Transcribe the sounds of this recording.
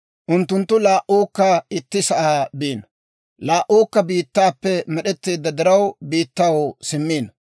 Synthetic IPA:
ʔʊnt̪ːʊnt̪ːʊlaːʔuːkːɐɪt̪ːɪsɐʔaːbiːnɐ | laːʔuːkːɐbiːt̪ːaːpːɛmɛɗɛt̪ːeːd̪ːɐd̪ɪɾɐwbiːt̪ːɐwsɪmːiːnɐ

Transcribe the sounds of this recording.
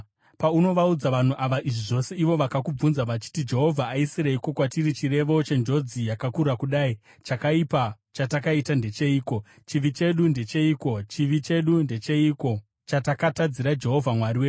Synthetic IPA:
pauno̞ʋaud͡zaʋan̤uʔaʋaʔiʐiʐo̞se̞iʋo̞ʋakakub͡vunzaʋat͡ʃi̥tid͡ʒe̞ɦo̞vʱaːisiɾaiko̞kwatirit͡ʃire̞ʋo̞t͡ʃe̞nd͡ʒo̞d͡zijakakurakuɗaːi | t͡ʃakaipa | t͡ʃatakaitande̞t͡ʃe̞iːko̞ | t͡ʃiʋit͡ʃe̞ɗunde̞t͡ʃe̞iːko̞t͡ʃiʋit͡ʃe̞ɗunde̞t͡ʃe̞iko̞ | t͡ʃatakatad͡ziɾad͡ʒe̞ɦo̞vʱamwariwe

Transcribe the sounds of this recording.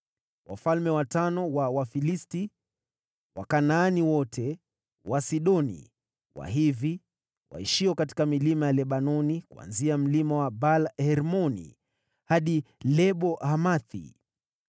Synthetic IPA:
wa̰falmɛwatanɔwawafilisti | wa̰kanaːniwɔtʰɛ | wasiɗɔnḭ | wa̰ɦivi | wa̰iʃiɔkati̥kamilimajalɛɓanɔnikua̰nziam̩limawabalhɛɾmɔnḭ | haɗilɛɓɔʔhamaθḭ

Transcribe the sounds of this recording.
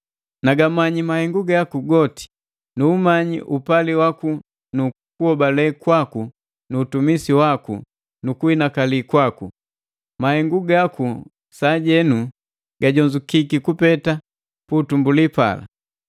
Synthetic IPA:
naɡamaɲimahɛŋɡuɡakuɡɔti̥ | nuːmaɲḭʔupaliwaku | nu | kuhɔbalɛkwaku | nuːtumisiwaku | nukuinakalikwaku | mahɛŋɡuɡaku | saɟɛnu | ɡ̥aɟɔɲd͡ʒukikikupɛta | puːtumbulipa̰la̰

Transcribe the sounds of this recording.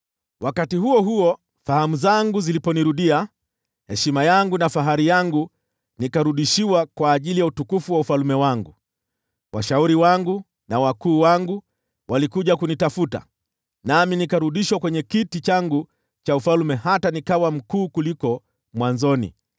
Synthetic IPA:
wʔakatihuɔɦuɔ | fahamuzaŋɡuzilipɔniɾuɗia | hɛʃimajaŋɡunafaɦaɾijaŋɡu | nikaɾuɗiʃiwakwaːʄilijautukufuwaufalumɛwaŋɡu | wʔaʃauɾiwaŋɡu | nawakuːwaŋɡu | walikuʄakunitafuta̰ | naminikaɾuɗiʃwakwɛɲɛkitit͡ʃaŋɡu | t͡ʃaufalmɛhatanikawam̩kuːkulikɔ | mwanzɔnḭ

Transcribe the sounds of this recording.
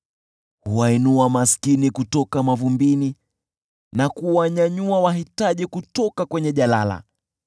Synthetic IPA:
huwainuamaskinikutɔkamavumbini | nakuwaɲaɲuawaɦitaʄikutɔkakwɛɲɛʄalala̰

